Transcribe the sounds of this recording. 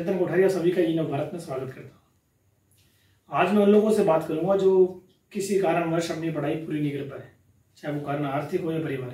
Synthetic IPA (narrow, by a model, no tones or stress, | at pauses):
nt̪ɾkʊʈʰəːɾijasɐbʱikainə̃bʱaːɾət̪mẽswaːɡət̪kɐɾt̪ḁ | aːd͡ʒmɛ̃ʊnloːɡõsebaːt̪kɐɾũːŋɡad͡ʒoː | kɪsikaːɾəɽ̃ʋəɾʃɐbnibɐɽ̤aːipuːɾinɪɡəɾpɐɾɛ | t͡ʃaːeʋokaːɾəɽ̃aːɾt̪ʰɪkɦojapɐɾibaːɾ